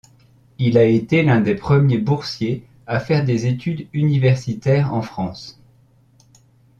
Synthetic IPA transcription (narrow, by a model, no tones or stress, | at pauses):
ilaet̪elɛ̃d̪epχəmjebuʁsje | afɛʁd̪ezet̪ʰyd̪ynivɛʁsit̪ɛʁɑ̰̃fχɑ̃s